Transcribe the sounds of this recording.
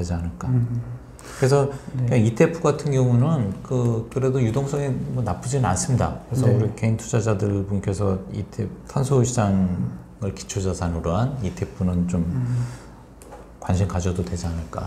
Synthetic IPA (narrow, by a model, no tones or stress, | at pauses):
ed͡ʑianɯɭk͈a | kɯɾe̞sʰʌkaitʰe̞pʰuɡatʰɯnɡjʌŋunɯnkɯkɯɾe̞dojudoŋs͈ʌŋimʌnap͈ɯd͡ʑinɯnans͈ɯmɲida̰kɯɾe̞sʰʌuɾike̞intʰud͡ʑad͡ʑadɯɭbunkʰesʰʌitʰeptʰansʰoɕʰid͡ʑaŋ | ɯɭki̥t͡ɕʰud͡ʑʌsʰanɯɾoɦanitʰe̞pʰunɯnt͡ɕom | kwanɕʰinkad͡ʑʌdodwe̞d͡ʑianɯɭk͈a̰